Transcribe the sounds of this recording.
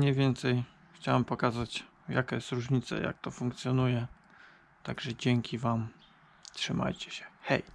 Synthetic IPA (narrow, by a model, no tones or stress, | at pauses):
ɲɛvʲjɛnt̪sɛj | xt͡ɕawɛmpɔkazat͡ɕ | jakajɛst̪ɾuʐɲit̪sa̰ja̰k̚t̪ɔfuŋkt̪sʲjɔnujɛ | t̪aɡʐɛd͡ʑɛŋkʲʰivam | tʂɘma̰jt͡ɕɛ̥ɕɛ̥xɛ̰j